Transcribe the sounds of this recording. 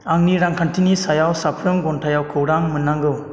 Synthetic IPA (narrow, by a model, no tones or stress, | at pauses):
aŋniɾaŋkʰantʰinisajawsapʰɾɯmɡɔntʰajawkʰɯwɾaŋmɯnːaŋɡɯw